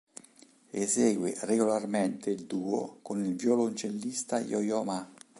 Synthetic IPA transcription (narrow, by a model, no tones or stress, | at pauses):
eseːɡwḛreɡolarment̪eild̪uːo̰konilvjɔlont͡ʃelːist̪ajɔjɔma